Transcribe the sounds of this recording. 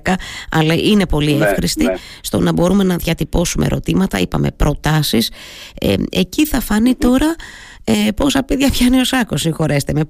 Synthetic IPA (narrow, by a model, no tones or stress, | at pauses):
kɐɐ̰lɐʔine̞po̞liefxɾist̪ist̪o̞nɐbo̞ɾume̞nɐðʝɐt̪ipo̞sumʔe̞̰ɾo̞t̪imɐt̪ɐ̰ipɐ̰me̞̰pɾo̞t̪ɐsisḛe̞ciθɐfɐnit̪o̞ɾɐ | po̞sɐpiðʝɐpçɐnio̞sɐko̞sixo̞ɾe̞st̪eme